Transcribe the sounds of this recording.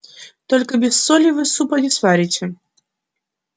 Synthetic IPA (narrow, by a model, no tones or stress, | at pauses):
t̪ɔlʲkɐbʲɛsːɔlʲivɨsupɐdʲisvaɾʲit͡sʲɛ